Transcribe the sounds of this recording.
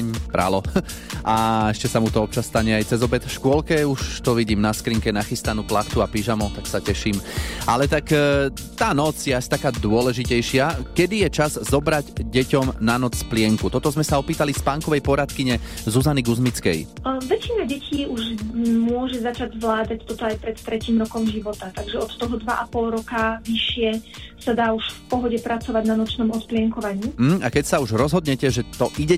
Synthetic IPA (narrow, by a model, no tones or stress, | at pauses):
ɲbɾa̰lɔ | aɛʃcɛsamut̪ɔɔp̚t͡ʃassːt̪aɲɛajt͡sɛzɔbɛt̪ʃkʊɔlkɛuʃt̪ɔʋiɟiːmnaskɾiŋkɛnaxist̪anuːplaxt̪uapiʒamɔt̪aksacɛʃiːmalɛt̪ak | t̪aːnɔt͡sjɛasit̪akaːd̪ʊɔlɛʒicɛjʃɪakɛd̪ijɛt͡ʃazzɔbɾaɟɟɛcɔmnanɔt͡ssplɪɛŋkut̪ɔt̪ɔzmɛsaɔpiːt̪alispaːŋkɔʋɛjpɔɾat̪kiɲɛ | zuzaniɡuzmit͡skɛ̰jʋɛt͡ʃinaɟɛcʰiːuʒmʊɔʒɛzat͡ʃaɟzʋlaːd̪act̪ɔt̪ɔajpɾɛt̪t̪ɾɛciːmɾɔkɔmʒiʋɔt̪at̪aɡʒɛɔt̪t̪ɔɦɔd̪ʋaʔapɔlɾɔkaʋiʃɪɛsad̪aːuʃfpɔɦɔɟɛpɾat͡sɔʋaɟnanɔt͡ʃnɔmɔt̪plɪɛŋkɔʋaɲiːm̩ɦ̩akɛcsauʒɾɔzɦɔd̪ɲɛcɛʒɛt̪ɔʔiɟɛ